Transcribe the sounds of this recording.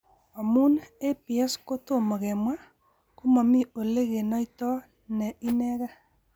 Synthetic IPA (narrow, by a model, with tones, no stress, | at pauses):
ɔ˨mu˦ne˦pi˨ɛ˦sko˦to˦mo˨ɣɛ˨mwa˦ | ko˦ma˨mi˦o˨le˦ɣe˨nɔ˦i˦tɔ˦ | nɛ˨i˦nɛ˦ɣa˦